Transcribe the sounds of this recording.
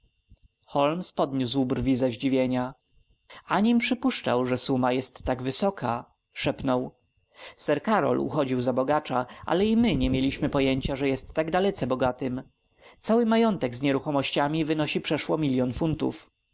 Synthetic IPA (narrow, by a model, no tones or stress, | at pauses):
xɔlmspɔd̪ɲuswbrvʲizaʑd͡ʑivʲjeɲa | aɲimpʂɘpuʂt͡ʂa̰wʐɛsumajɛst̪ːaɡvɘsɔkʰa | ʂɛpnɔw | sɛɾkaɾɔ̰lṵxɔd͡ʑiwzabɔɡat͡ʂaʔa̰lɛimɘɲɛmʲjelʲiɕmɘpɔjeɲt͡ɕaʐɛjɛst̪ːaɡd̪alɛt̪sɛbɔɡat̪ɘm | t̪sawɘmajɔnt̪ɛɡzɲɛɾuxɔmɔɕt͡ɕamʲivɘnɔɕipʂɛʂwɔmʲilʲjɔnfunt̪ṵf